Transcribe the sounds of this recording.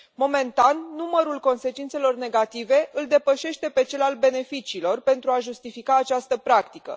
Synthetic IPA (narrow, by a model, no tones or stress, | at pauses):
mo̞me̞nt̪anːuməɾulko̞nse̞t͡ʃint̪se̞lo̞rne̞ɡat̪ive̞ʔɨld̪e̞pəʃe̞ʃt̪e̞pe̞t͡ʃe̞lalbe̞ne̞fit͡ʃiːlo̞rpe̞nt̪ɾuaʒust̪ifikaːt͡ʃast̪əpɾakt̪ikə̰